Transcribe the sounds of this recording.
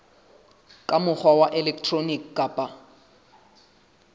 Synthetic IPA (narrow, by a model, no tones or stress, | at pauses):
kʼamʊχʰwawaʔɛlɛkʰtʰronikːaːpʼa